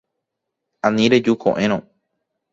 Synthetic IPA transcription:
ãnĩɾe̞d͡ʒukʰõ̰ʔẽɾ̃õ

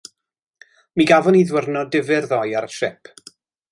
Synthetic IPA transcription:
miɡavɔniðwərnɔdɪvɪrðɔjaɾʃɪpʰ

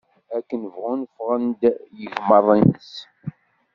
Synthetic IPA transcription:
ækːənəvʁunfʁənd̪jəʝmərˤːinəs

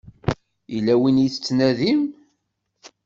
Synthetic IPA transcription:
ilːæwinjθt͡sːnæðim

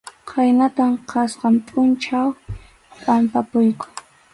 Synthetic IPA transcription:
qʰajnat̪amqʰɑsqɑmpʼʊnt͡ʃaw | pʼampapʊjkʊ̥

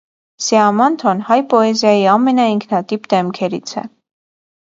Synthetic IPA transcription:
sɛɑmɑnt̪ʰɔnhɑjpɔɛzjɑjiɑmɛnɑiŋkʰnɑt̪ipd̪ɛmkʰɛɾḭt͡sʰɛ̰

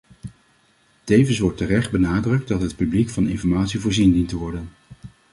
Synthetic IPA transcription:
tejvənsʋɔɹtərɛχd̚bənaːdrɵk̚tdɑtɦət̚pyblikfɑnɪnfɔɹmaːtsivʊːɹzindintəʋɔɹdən

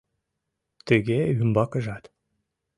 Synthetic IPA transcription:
t̪ɘɡʲeymbɑkə̆ʒɑt̪

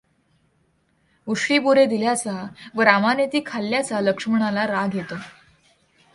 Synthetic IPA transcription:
uʂʈiːbuɾed̪iljat͡saʋəɾamanet̪iːkʰaljat͡saləkʂəm̤əɳ̃alaɾaɡʱjet̪o

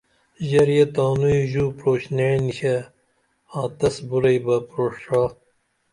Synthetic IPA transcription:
ʑɐɾjɐt̪ãːnuiʑuːpɾoːɕneːniɕɐ | ãːt̪ɐsbuɾɐjbɐpɾoːʂɾaː

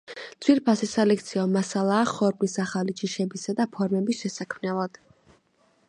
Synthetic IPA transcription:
t̪sʰwiɾpʰasisalɛk̚ʰt̪sʰiɔmasalˠaːχɔɾmlisaχalit͡ʃʰʼiʃɛbisad̪apʰɔɾmɛbisʃɛsakʰmnɛlˠad̪̥

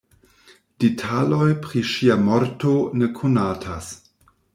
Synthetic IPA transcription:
d̥itʰalojpɾiʃiamɔɾtonekʰunaːtʰas

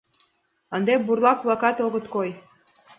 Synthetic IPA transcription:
ə̆nd̪eburlˠɑk̚blˠɑkɑt̪oɣɤ̆t̪koj

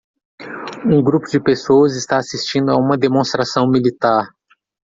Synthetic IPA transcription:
ũɡɾupʊd͡ʒɪpesowɐzɪst̪aːsist͡ʃĩnd̪ʊaũmɐd̪emõst̪ɾasɐ̃w̃milit̪aɾ

